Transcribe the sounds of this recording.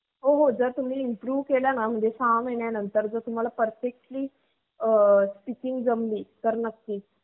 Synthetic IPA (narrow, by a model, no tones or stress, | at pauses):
ɦoɦod͡zəɾt̪um̤iːimpɾuːʋkelanam̤əɳd͡ʑesameɳjanənt̪əɾd͡zəɾt̪um̤alapəɾfek̚ʈliː | əspikiŋɡd͡zəmliːt̪əɾnəkːiː